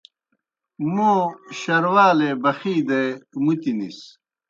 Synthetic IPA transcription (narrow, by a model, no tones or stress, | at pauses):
moːɕɐɾwaːlebɐxiːd̪emut̪inis